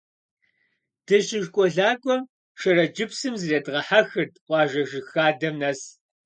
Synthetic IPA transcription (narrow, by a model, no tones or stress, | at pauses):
d̥ɨʃɪʒkʷʼɔɮaːkʷʼɔ | ʃɐrɐd͡ʒɪpsɨmzɨreːdʁɐħaxɨrtqʷʼɑːʒɐʒɪxaːdɐmnɐs